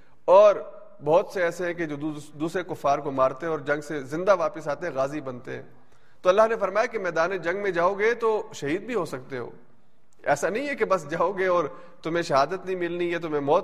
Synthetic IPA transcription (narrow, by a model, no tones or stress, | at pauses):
ɔːɾ | bɔːt̪seɛːseɦɛ̃k̬ed͡ʒoːd̪uːsɾekʊfːaːɾkomaːɾt̪eɦɛ̃ɔːɾd͡ʒɐ̃ŋɡsezɪ̃nd̪aʋaːpəsaːt̪eɦɛ̃ɣaːzibɐnt̪eɦɛ̰̃ː | t̪oɐlːaɦnefɐɾmaːjakemɛːd̪aːned͡ʒɐ̃ŋɡmẽd͡ʒaːoɡet̪oʃɐɦiːd̪̚bʱiɦosɐk̚t̪eɦo̰ː | ɛ̰ːsanɐɦĩɛkebɐsd͡ʒaːoɡeɔːɾ | t̪ʊm̤ẽʃɐɦaːd̪ət̪nɐɦĩmɪlnijɛt̪̬ʊmẽmɔːt̪